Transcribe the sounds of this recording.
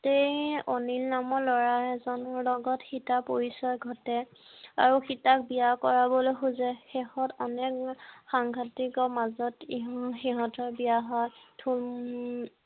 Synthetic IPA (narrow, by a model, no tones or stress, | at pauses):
tejonilnamɔlɔɹaɛzɔnɔɹlɔɡɔtxitapoɹisɔjɡʱɔtɛ | a̰ɹuxitak̚bijakɔɹabɔlojxuzɛxɛhɔtɔnɛkxaŋɡʰʱatikɔmazɔtiɦxiɦɔtɔɹbijaɦɔjtʰu